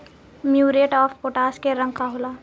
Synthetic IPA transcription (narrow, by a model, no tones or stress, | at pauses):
mjuːɾeʈɔːfpoːʈaːskeɾə̃ŋɡkaɦolaː